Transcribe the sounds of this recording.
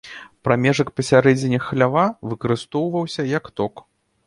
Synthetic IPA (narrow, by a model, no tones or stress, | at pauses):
pɾamʲɛʐɐkpɐsʲaɾɛd͡zʲɪnʲɐxlʲavavɨkɐɾɨst̪ɔwvɐwsʲɐjɐkt̪ɔk